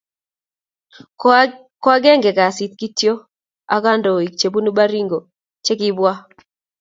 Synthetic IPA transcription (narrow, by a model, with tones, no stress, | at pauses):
kwa˦ɡɛ˦ŋɡɛ˨ɡa˨si˨˦t̪̚ki˦tjo˦ | a˦ɡa˦ndɔ˨i˨k̚t͡ʃe˨bu˦nu˦ba˦ɾi˦ŋɡo˨ | t͡ʃe˦kɪ˦bwa˦